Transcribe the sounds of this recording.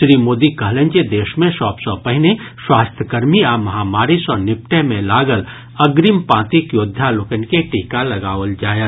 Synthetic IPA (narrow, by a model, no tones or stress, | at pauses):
ʃɾiːmoːd̪ikɐɦlə̃nd͡ʒed̪eːʃmẽʃɔːpsɔ̃pɐɦɪneswaːst̪ʰəkəɾmiaːmɐɦaːmaːɾisɔːɾnɪp̚ʈemẽlaːɡəl | ɐɡɾimpãːt̪ikjoːd̪ʱːaloːkənkeʈiːkalɐɡaːʋəld͡ʒaːjə